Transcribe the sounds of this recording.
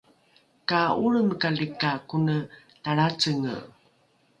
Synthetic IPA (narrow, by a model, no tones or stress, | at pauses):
kauɭəmkalikakunə | taɭat͡səŋə̰